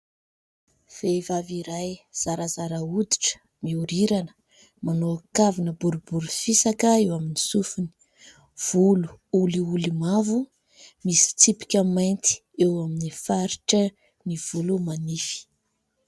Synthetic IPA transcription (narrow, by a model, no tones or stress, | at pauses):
v̥evaviɾajz̥aɾazaɾaud̪i̥ʈ͡ʂə̥ | miuɾiɾanə̥ | manoakavinəbuɾubuɾufisakəewaminisufuni̥ | v̥ulu̥uliulimavu | misi̥t͡sipi̥kʲəmajnt̪i̥ | ewaminifaɾiʈ͡ʂə | niv̥ulumanifi̥